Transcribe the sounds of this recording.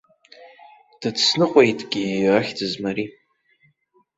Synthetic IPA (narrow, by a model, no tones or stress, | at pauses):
d̥ɨdsnɨqʷʼejtʼɡʲiaχʲdɨzmaɾi